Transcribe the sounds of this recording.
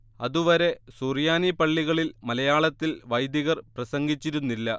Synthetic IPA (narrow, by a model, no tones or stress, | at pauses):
ɐðuʋɐɾe̞surjaːnipɐɭːiɣɐɭilmɐlɐjaːɭɐt̪ːilʋɐjd̪iɣɐrprɐsɐŋɡit͡ɕːiɾunːilːɐ